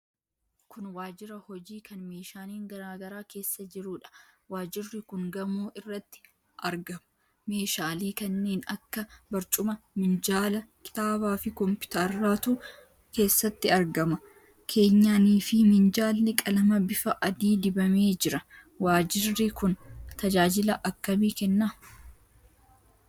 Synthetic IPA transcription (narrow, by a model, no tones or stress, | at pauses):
kʊnwaːd͡ʒɪɾɐhɔd͡ʒiːkɐnme̞ːʃaːniːŋɡɐɾaːɡɐɾaːke̞ːsːɐd͡ʒɪɾuːᶑɐ̥waːd͡ʒɪrːɪkʊŋɡɐmuːʔɪrːɐt̪ːɪ̥ | ʔɐɾɡɐmʊ̥ | me̞ːʃaːliːkɐnːe̞ːnɐkːɐbɐɾt͡ʃʼʊmɐmɪnd͡ʒaːlɐkʰɪ̥t̪aːbaːfɪkɔmpɪ̥t̪ɐɾːaːt̪uː | ke̞ːsːɐt̪ːɪɐɾɡɐmɐ | kʰe̞ːɲːaːniːfɪmɪnd͡ʒaːlːɛkʼɐlɐmɐbɪfɐʔɐd̪iːd̪ɪbɐme̞ːd͡ʒɪɾɐ | waːd͡ʒɪrːɪkʊnt̪ɐd͡ʒaːd͡ʒɪlɐʔɐkːɐmiːkɛnːɐ